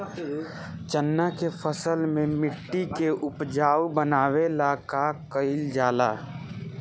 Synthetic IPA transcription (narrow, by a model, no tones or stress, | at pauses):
t͡ʃənːakepʰəsəlmẽmɪʈːikeʔʊpd͡ʒaːwbənaːwelaːkakəɪld͡ʒaːla̰ː